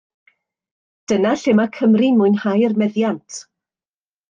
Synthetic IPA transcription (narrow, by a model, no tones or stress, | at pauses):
d̥ənaɬɪmakʰəmrinmʊɨnhajərmɛðjantʰ